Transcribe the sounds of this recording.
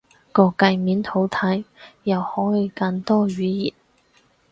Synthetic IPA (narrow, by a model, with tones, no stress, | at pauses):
kɔː˧kɐ˧jmiː˨˥nt̪ʰo˨˥wt̪ʰɐ˨˥jjɐ˨whɔː˨˥jiː˨˧kɐ˧nt̪ɔː˥ɥyː˨˥jḭː˨˩t̚